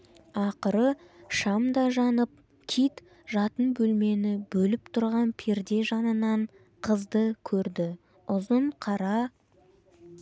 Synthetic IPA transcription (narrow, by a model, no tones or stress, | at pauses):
ɑqəɾəʃɑmd̪ɑʒɑnəp̚ | kʲʰit̪ | ʒɑt̪ənbɵlme̞nɪbɵlɪp̚t̪ʰʊɾʁɑnpʰeɾd̪e̞ʒɑnənɑɴ | qʰəzd̪əkʲʰɵɾd̪ɪ | ʊzəɴqʰɑɾɑ